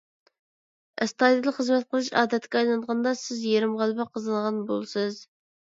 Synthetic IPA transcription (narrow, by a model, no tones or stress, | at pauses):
ɪst̪ɑd̪ilˠχəzmɛt̪̚qʰəlˠɨʃɑ̰ːd̪ɛt̪kʲɛɑjlˠɑnd̪ʁɑnd̪ɑsɪzjeɾɪmʁɑlˠbɑqʰəzɨnʁɑnbolˠsɨz